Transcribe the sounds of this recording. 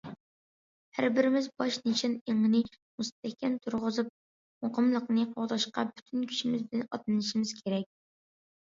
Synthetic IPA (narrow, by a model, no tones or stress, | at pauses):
hæ̰ɾbɪɾɪmɪzbɑʃnet͡ʃʰɪneŋɨnɨ | must̪ɛhkʲɛnt̪ʰuɾʁʊzup̚ | moqʰəmlˠəqnɨqʰoʁd̪ɑʃqɑ̰byt̪ʰynkʲʰy̥ʃimɪzbɪd̪ɪnɑt̪lˠɨnɨʃimɪz̥kʲʰeɾɛk̚ʲ